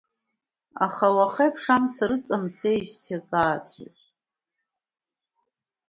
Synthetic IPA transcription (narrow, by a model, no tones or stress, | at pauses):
a̰χawaχejpʰʂamt͡sʰaɾɨt͡sʼamt͡sʰeʃtʰakʼaːt͡sʷʼʰa̰ɕʼ